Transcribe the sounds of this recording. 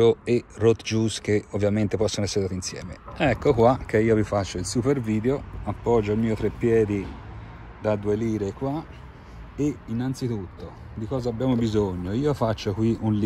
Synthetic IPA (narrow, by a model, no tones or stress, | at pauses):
oerot̪d͡ʒuskeovːjament̪epɔsːonoɛsːeɾed̪aːt̪insjɛ̰ːmeɛkːokwak̟eiːovifat͡ʃːoilsuperviːd̪eoapːɔd͡ʒːoilmiːot̪ɾepːjɛːd̪i | d̪ad̪ueliːɾekwa | einːant̪sit̪ut̪ːo | d̪ikɔːzaːbːjaːmobizoɲːoiːofat͡ʃːokwiʔunl